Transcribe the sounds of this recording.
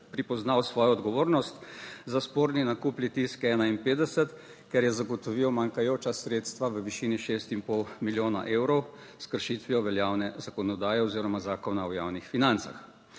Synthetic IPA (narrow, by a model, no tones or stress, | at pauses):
pɾipɔznawsʋɔːjɔɔd̪ɡɔʋoːɾnɔst̪zaspoːɾninakuplit̪iskɛːnainpeːd̪ɛsɛt̪ | kɛɾjɛzaɡɔt̪ɔʋiːwmaŋkajoːt͡ʃasɾeːt̪st̪ʋaʋəʋiʃiniʃest̪impɔwmiljoːna̰ʔeːwɾɔw | skəɾʃit̪ʋiɔʋɛljaːwnɛzakɔnɔd̪aːjɛɔziːɾɔmazaːkɔnaɔjaːwnixfinant̪sa̰x